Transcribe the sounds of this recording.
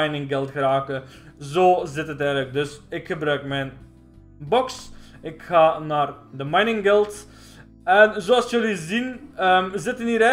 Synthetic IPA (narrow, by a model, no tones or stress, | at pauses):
jnɪŋɡɛlˠtxəraːkə | zoːzɪtɦətɛjɣlək̚dɵsɪkxəbrœɥkmɛjn | bɔks | ɪkxaːnaːrdəmajnɪŋɡɛlˠt | ɛnzoːɑlˠsjølizinəzɪtəniːɾɛ